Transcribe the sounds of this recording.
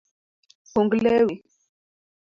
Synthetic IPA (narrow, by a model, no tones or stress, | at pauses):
fuŋɡlɛwe